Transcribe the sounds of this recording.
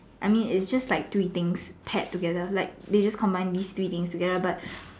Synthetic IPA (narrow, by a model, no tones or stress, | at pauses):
ʔajmĩnɪtsd͡ʒastlaɪk̚t̪ɹiːt̪ɪ̃ŋspʰɛtːuɡɛdəlaɪk̚d̪ed͡ʒaskʰɔ̃mbãɪ̃nd̪ist̪ɹit̪ɪ̃ŋstuɡɛdəbat̚